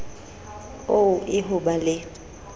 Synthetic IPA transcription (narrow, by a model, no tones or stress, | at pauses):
oʊʔɪɦʊbalɪ